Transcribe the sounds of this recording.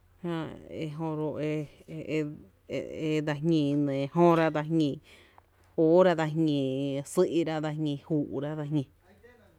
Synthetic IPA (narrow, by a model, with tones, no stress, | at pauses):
hã˧ḛ˧ɦõ˧ɾo˧e˧ | e˧d̪a˧ɦɲĩ˧˨˧nẽ˨˧hõ˦ɾa˦d̪a˧ɦɲĩ˧ | o˦ɾa˧ða˧ɦɲĩ˧˨sɨ˦ʔi˧ɾa˦ða˧hɲĩ˧hu˧˨ʔu˨ɾa˦ða˧ɦɲĩ˧